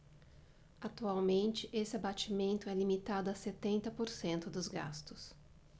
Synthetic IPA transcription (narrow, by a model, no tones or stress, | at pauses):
at̪uawmẽnt͡ʃɪʔesɪabat͡ʃimẽnt̪ʊɛlimit̪ad̪ʊaset̪ẽnt̪ɐpoɾsẽnt̪ʊd̪ʊzɡa̰st̪ʊs